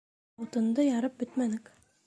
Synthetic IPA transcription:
ut̪ɤ̆nd̪ɤjɑɾɤp̚bɘt̪mænɘk

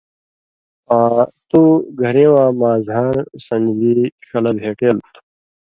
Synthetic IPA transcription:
ãːt̪uːɡʱɐɾẽːwãːmaːzaːnsɐ̃nd͡ʑiːɕɐlɐb̪ʱeːʈeːlt̪ʰ

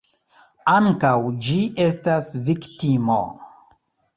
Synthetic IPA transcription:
aŋkawd͡ʒiʔe̞stasviktimo̰

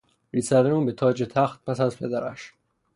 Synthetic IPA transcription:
ɾiːsæɾd̪euːmbet̪ʰɒːd͡ʒet̪ʰæxt̪̚pʰæsæzpʰed̪æɾæ̰ʃ

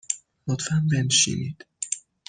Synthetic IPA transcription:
mot̪fæmbenʃḭnid̪̥

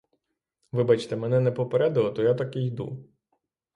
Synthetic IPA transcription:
ʋɪbat͡ʃt̪ɛmɛnɛnɛpɔpeɾɛd̪ɪlˠɔt̪ɔjat̪akɪjd̪ṵ

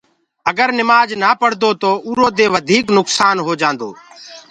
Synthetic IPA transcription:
əɡəɾnɪmaːd͡ʒnaːpəɽ̤d̪oːt̪oːʔuːɾoːd̪eːʋəd̪ʱiːknʊksaːnɦoːd͡ʒãːnd̪o̰ː

